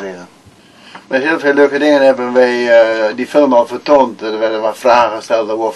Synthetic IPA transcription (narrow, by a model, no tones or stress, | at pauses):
rɪdə | mɛɦiəlˠfɪløːkədɪŋənhɛbənʋɛjdifɪlˠmɔlˠfətontədəʋɛrdənʋafraːɣəstɛlˠtəʋo